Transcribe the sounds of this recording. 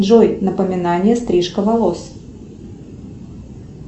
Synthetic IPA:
dʐojnəpəmʲɪnanʲɪjəst̪ɾʲiʂkəvɐlˠos

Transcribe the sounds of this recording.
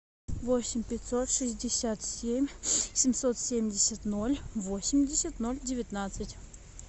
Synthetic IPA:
vosʲɪmʲpʲɪt̪ʲsot̪ʂɨsʲdʲɪsʲat̪sʲemʲsʲɪmʲsot̪sʲemʲdʲɪsʲət̪nolʲvosʲɪmʲdʲɪsʲət̪nolʲdʲɪvʲɪt̪nat̪sɨtʲ

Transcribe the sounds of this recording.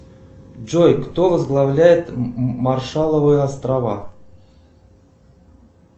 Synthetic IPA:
d͡ʒojkt̪ovəzɡlˠɐvlʲæjɪt̪marʂalˠəvɨjəɐst̪ɾava

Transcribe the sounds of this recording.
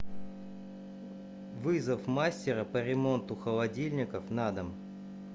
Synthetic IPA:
vɨzəfmasʲtʲɪɾəpəɾʲɪmo̞nt̪ʊxəlˠɐdʲilʲnʲɪkəfnad̪əm

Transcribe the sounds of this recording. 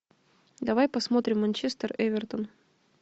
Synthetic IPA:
d̪ɐvajpɐsmo̞t̪ɾʲɪmːɐnʲt͡ɕest̪ərɛvʲɪrt̪ən

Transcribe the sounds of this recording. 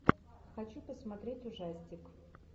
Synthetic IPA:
xɐt͡ɕupəsmɐt̪ɾʲetʲʊʐasʲtʲɪk

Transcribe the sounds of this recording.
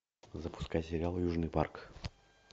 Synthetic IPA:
zəpʊ̥skajsʲɪɾʲɪalˠjuʐnɨjpa̰rk

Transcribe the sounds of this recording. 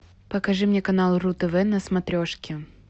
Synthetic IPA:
pəkɐʐɨmnʲekɐnalˠrut̪ɛvɛnɐsmɐt̪ɾʲoʂkʲɪ

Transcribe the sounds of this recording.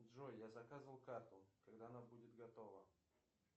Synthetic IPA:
dʐojjazɐkazvəlˠkart̪ʊkɐɡd̪aɐnabudʲɪt̪ɡɐt̪ovə

